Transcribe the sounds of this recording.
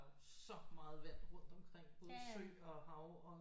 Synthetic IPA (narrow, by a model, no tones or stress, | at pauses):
ssɒ̽mɑ̈ːð̞̩ˠʋæɐ̰d̥ʁɔ̽n̰d̥ɒ̽mkʰʁeŋ̰b̥ɔ̽ːð̩ˠsø̰ːɒ̽ɦɑ̈ʊɒ